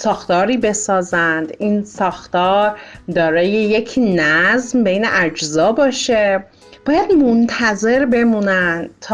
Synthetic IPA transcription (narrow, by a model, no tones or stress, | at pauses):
sɒːxt̪ɒːɾiːbe̞sɒːzænd̪iːnsɒːxt̪ɒːɾd̪ɒːɾɒːjeje̞cʰnæzmbejneʔæd͡ʒzɒːbɒːʃe | b̥ɒːjæd̪mont̪ʰæze̞ɾbe̞muːnænd̪t̪ʰː